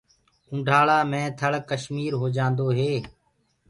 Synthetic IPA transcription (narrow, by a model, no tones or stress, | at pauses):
ʊ̃ːɖʱaːɭaːmẽːt̪ʰəɭkəʃmiːɾɦoːd͡ʒãːnd̪oːɦeː